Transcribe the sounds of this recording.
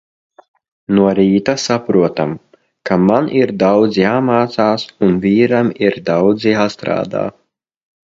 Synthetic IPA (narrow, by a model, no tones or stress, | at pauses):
nuɔɾiːt̪asapɾuɔt̪am | kamanʔiɾd̪awd̪zjaːmaːt̪saːsunviːɾamiɾd̪awd̪zjaːst̪ɾa̰ːd̪a̰ː